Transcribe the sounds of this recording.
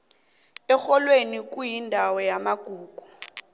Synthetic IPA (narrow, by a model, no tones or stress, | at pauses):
ɛxɔlwenik̬ʼujindʱawɔjamaɡ̥ʱuːɡ̥ʱu